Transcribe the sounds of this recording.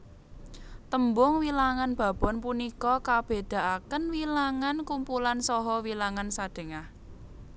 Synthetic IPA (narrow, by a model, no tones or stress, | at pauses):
t̪əmbʊŋwilaŋanb̥ä̤b̥ɔ̤npunikɔkab̥e̤d̪̥a̤ʔakənwilaŋankumpulansɔɦɔwilaŋansad̪̥e̤ŋah